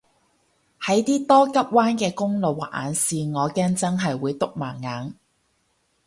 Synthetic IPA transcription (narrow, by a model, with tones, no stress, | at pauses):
hɐ˨˥jt̪iː˥t̪ɔː˥kɐ˥p̚waː˥nkɛː˧kʊ˥ŋlo˨˧wa˨˩ʔa̰ː˨˧nsiː˨˧ŋɔː˨˧kɛː˥ŋt͡sɐ˥nɦɐ˨jwuː˨˧jt̪ʊ˥k̚maː˨˩ŋŋːaː˨˥n